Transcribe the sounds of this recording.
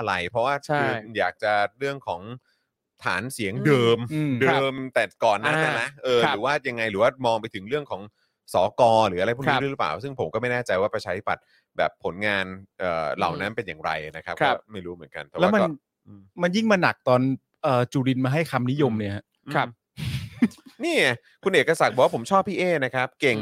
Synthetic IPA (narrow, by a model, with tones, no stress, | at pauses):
ʔa˧ɾa˧jpʰɾɔ˦˥waː˥˩t͡ɕʰaɯː˥˧jaː˨˩k̚t͡ɕa˨˩ɾɯ˥˩əŋkʰɔː˩˦ŋ | t̪ʰa̰ː˩˦nsi˨˩˦əŋdɤː˧mɯ˧dɤː˧˩˧mt̪ɛ˨˩kɔː˨˩nːaː˥˩t͡ɕa˧˩na˦˥ʔɤː˧ɾɯː˨˩˦waː˥˩ja˧ŋːa˧jɾɯː˩˦waː˥˩mɔː˧ŋpa˧jt̪ʰɯ˩˦ŋɾɯ˥˩əŋkʰɔː˩˦ŋ | sɔː˩˦kɔː˧ɾɯː˩˦a˧a˧jpʰu˥˩iː˦˧˩ɯ˦˥paː˨˩wsɯ˥˩ŋpʰo˩˦mkɔ˥˩ma˥˩jnɛː˥˩t͡ɕa˧jwaː˥˩pɾa˧t͡ɕʰaː˧t̪ʰi˦˥pa˨˩t̪̚ | bɛ̰ː˨˩pʰːo˩˦nŋaː˧nʔɤː˨˩la̰˨˩wna˦˥npe˧njaː˨˩ŋɾa̰˧jna˦˥kʰa˦˥pkʰɔ˥˩ma˥˩jɾuː˦˥mɯ˩˦ənka̰˧nt̪ɛ˨˩lːa˥ma˧nː˥n˩ | ʔɯː˧mma˧nji˥˩ŋmaː˧na˨˩k̚t̪ɔː˧n | ʔɤː˨˩t͡ɕuː˧ɾi˧nmaː˧ɦa˥˩jkʰa˧mni˦˥jo˧mni˥˩ɐɦa˦˥ʔ̚ʰ | niː˥˩a˨˩ | kʰu˧nʔeː˨˩ka˧sa˨˩t̪̚bɔː˨˩waː˥pʰo˩˦mt͡ɕʰɔː˥˩pʰːiː˥˩ʔeː˥˩na˦˥kʰa˦˥p̚ke˨˩ŋ